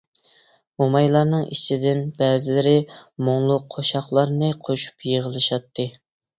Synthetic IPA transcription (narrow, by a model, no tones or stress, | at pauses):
omɑjlˠɑɾnɨŋḭt͡ʃʰid̪ɪnbɛːzɪlɪɾɪmoŋlˠʊqʰːoʃɑχlˠɑɾnɨqʰoʃu̥pjəʁəlˠɨʃɑt̪ʰːɨ